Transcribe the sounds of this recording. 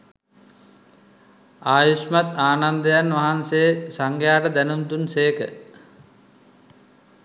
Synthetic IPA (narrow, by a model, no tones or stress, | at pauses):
aːjusmat̪aːnand̪əjanʋaɦansesaŋɡjaːʈəd̪ænumt̪unseːkə̰